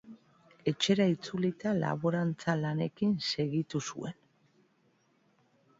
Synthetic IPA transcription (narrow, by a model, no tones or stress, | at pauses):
e̞t͡ʃe̞ɾait͡sulit̪ala̰βoɾant͡salane̞kinse̞ɣit̪usṵe̞n